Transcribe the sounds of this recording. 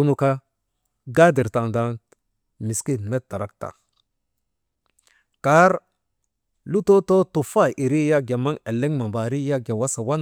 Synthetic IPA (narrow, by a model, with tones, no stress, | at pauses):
u˦nu˨ka˦ | ɡa˦di˨ɾta˨nda˦n | mi˨ski˦nme˦t̚ta˨ɾa˦k̚ta̰˨ | ka˦ɾ | lu˦to˦to˦tu˨fa˦˨i˨ɾi˦ja˦ɡja˨ma˦ŋe˨lːe˦ŋma˨mba˨ɾi˦ja˦ɡja˨wa˦sa˨wa˦n